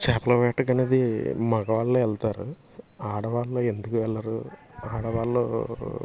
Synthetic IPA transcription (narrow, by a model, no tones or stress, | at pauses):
t͡ʃaːpɐlɐʋɛːʈɐɡɐneːd̪imɐɡɐʋaːlːoːɛlt̪aːɾṵ | aːɽɐʋaːlːoːe̞nd̪ukuʋɛlːɐɾu | aːɽɐʋaːlːo̰ː